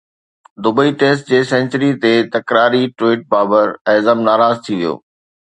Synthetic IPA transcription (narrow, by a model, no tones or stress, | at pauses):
d̪ʊbəiʈeːsʈ̚d͡ʑeːsɛ̃nt͡ɕəɾit̪eːt̪ɐkɾaːɾiʈɾeːʈ̚baːbəɾɛzəmnaːɾaːzt̪ʰiʋijo̰ː